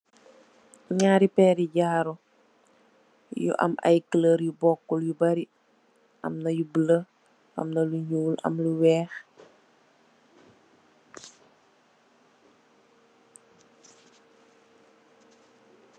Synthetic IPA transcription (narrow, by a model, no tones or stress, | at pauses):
ɲaːɾipɛːɾiɟaːɾu | jṵʔɐ̰mʔɐ̰jkələɾjubɔkːɔljubɐɾi | ʔɐ̰mnɐjubələ | ʔɐ̰mnɐluɲuːlɐ̰mluwɛːx